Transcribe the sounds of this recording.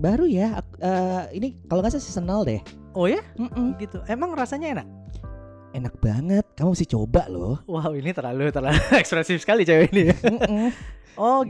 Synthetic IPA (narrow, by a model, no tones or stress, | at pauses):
baɾujaa̰əːinikaloŋɡas̬asəsənəldɛ̰h | ojam̩m̩əɡit̪uʔemaŋrasaɲaenak̚ | enak̚b̥a̰ŋət̪̚kamuməsɪht͡ʃo̰balo̰hwawinit̪ərlalut̪ərlaluɛkspɾɛsɪfsə̥kalit͡ʃajoinim̩m̩ɔ